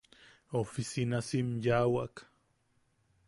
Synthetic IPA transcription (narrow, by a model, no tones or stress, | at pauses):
ofisinasimjawak